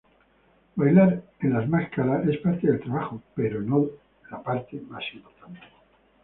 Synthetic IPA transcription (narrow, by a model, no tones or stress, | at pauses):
bajlaɾenlazmaskaɾae̞spaɾt̪eðelt̪ɾaβaxopeɾono | lapaɾt̪emasinot̪ane